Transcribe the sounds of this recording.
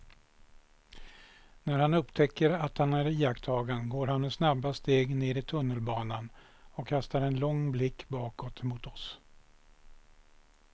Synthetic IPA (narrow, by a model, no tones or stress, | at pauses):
næɾhanɵpt̪ʰɛkːəɾat̪hanæɾijakt̪ʰɑːɡanɡoːɾhanmɛsnabːast̪eːɡneːɾɪt̪ʰɵnːəlbɑːnan | ɔkʰːast̪aɾɛnlɔŋːblɪkːbɑːkɔt̪ʰmʊt̪ɔs